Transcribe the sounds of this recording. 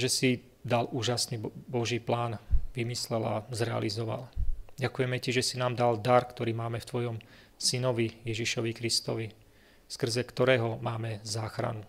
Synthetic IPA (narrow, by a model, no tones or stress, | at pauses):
ʒɛsi | d̪aluːʒasniːbɔʒiːplaːnʋimislɛla̰zɾɛa̰lizɔʋa̰lɟakujɛmɛciʒɛsinaːmd̪ald̪aɾkt̪ɔɾiːmaːmɛft̪ʋɔjɔm | sinɔʋijɛʒiʃɔʋikɾist̪ɔʋi | skr̩zɛkt̪ɔɾɛːɦɔmaːmɛzaːxɾa̰nu